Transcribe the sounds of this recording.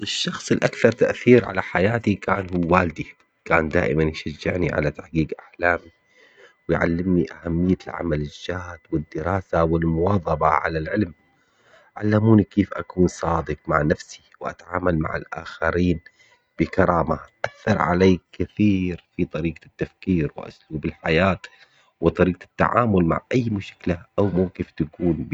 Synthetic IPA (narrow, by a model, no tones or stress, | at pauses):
ʔɪʃːɑxsˤɪlʔakθɑɾˤt̪aʔθiːɾʕa̰laħajaːt̪ikaːnhuːwaːld̪i | kaːnd̪a̰ːʔɪmanjʃad͡ʒːɪ̰ʕniʕa̰lat̪aħqiːɡʔaħlaːmi | wɪjʕa̰lːɪmniʔahamːɪjːalʕa̰malɪd͡ʒːaːt̪wɪd̪ːɪɾɑːsawɪlmʊwɑːðˤɑbɑ̰ʕa̰lalʕɪlm | ʕa̰lːamuːnikeːfʔa̰kuːnsˤɑːd̪ɨq̚maʕnafsi̥wʔa̰t̪aʕaːmalma̰ʕɪ̰lʔa̰ːxaɾiːn | b̥ɪkɑɾˤɑːmaʔaθːɑɾˤʕa̰leːkɪθiːɾfit̪ˤɑɾiːqat̪ːafkiːɾw̰ʔʊ̰sluːbɪlħajaːt̪ | wɨt̪ˤɑɾiːqat̪ːa̰ʕa̰ːmʊlma̰ʕʔajːmʊʃklaʔawmuːkeːft̪akuːnb